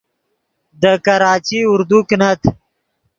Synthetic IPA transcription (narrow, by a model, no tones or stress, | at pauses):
d̪əkɐɾɑːt͡ʃiʊɾd̪uknat̪ʰ